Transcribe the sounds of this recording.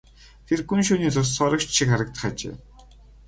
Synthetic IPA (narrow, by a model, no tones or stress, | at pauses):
t̪ʰerɡunʃuːniːt͡sʊs̬sɔɾə̆kt͡ɕʃikχaɾə̆k̚t̪ə̆χat͡ɕḛː